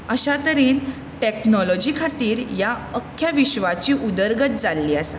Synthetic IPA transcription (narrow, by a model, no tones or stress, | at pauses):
əɕat̪əɾiːn | ʈeknɔlɔd͡ʑikʰat̪iːɾjaəkʰːjaʋiɕʋat͡ɕiːʔud̪əɾɡət̪̚d͡zalːiːəsa